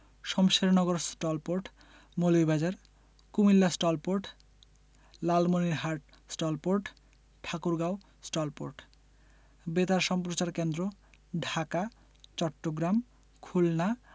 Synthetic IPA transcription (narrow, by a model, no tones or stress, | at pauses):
ʃɔmʃeɾnɔɡoɾsʈolpoɾʈ | molojbʱad͡ʑaɾ | kumilːasʈɔlpoɾʈ | lalmoniɾɦaɾʈ̚ | sʈolpoɾʈ | ʈʰakuɾɡaw | sʈolpo̰ɾʈ | bet̪aɾʃɔmpɾot͡ɕaɾkend̪ɾoɖʱaka | t͡ɕɔʈːoɡɾam | kʰulna